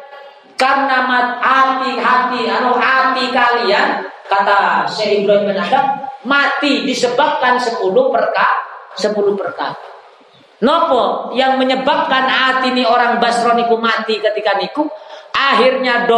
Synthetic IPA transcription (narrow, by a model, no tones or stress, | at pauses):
karənamaat̪iɦat̪iaɾoɦat̪ikaliankat̪aʃɛɦibɾɔimɛnadak̚mat̪idisəbap̚kansəpulupərkasəpulupərka̰ | nɔkɔjaŋməɲəbap̚kanat̪inioɾaŋbasɾɔnikumat̪ikət̪ikanikuʔaɦirɲado